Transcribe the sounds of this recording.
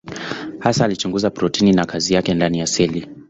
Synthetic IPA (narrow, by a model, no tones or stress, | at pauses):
hasaːlit͡ʃuŋɡuzapɾɔtininakʰazijakɛndanijasɛli